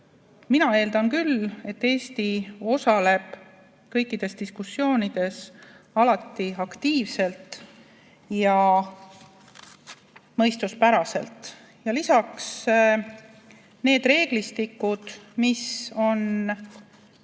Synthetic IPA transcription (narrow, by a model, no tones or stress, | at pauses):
minɑe̞ːld̪̥ɑnkyle̞t̪ːe̞ːst̪io̞sɑle̞b̥ | kɤjkːˑid̪̥e̞st̪iskusːjo̞ːnid̪̥e̞s | ɑlɑt̪ːiɑkt̪iːvse̞lt̪ | jɑ | mɤ̞jst̪uspæɾɑse̞̰lt̪ | jɑlisɑks | ne̞ːd̪re̞ːɡ̥list̪ikːˑud̪̥miso̞n